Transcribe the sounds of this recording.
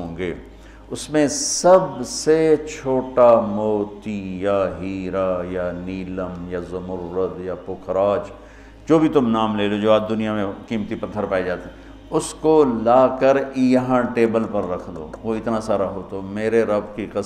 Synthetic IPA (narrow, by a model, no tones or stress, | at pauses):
õːɡeː | ʊsmẽsɐbset͡ʃʰoːʈamoːt̪ijaɦiːɾajaniːləmjazɐmʊɾːəd̪japʊkʰɾaːd͡ʒ | d͡ʒoːbʱit̪ʊmnaːmleːlod͡ʒoːaːd̪ʊnijamẽkiːmt̪ipɐt̪ʰːəɾpaːid͡ʒaːt̪ː | ʊskolaːkəɾjɐɦãʈeːbəlpɐɾːɐkʰd̪o̰ːʋoːɪt̪nasaːɾaɦoːt̪oːmeːɾeɾɐbkiqɪ